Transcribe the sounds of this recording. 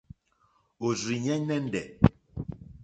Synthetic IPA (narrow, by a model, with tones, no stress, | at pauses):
o˨zɾi˨ɲɛ˦nɛ˦n̩˦dɛ˨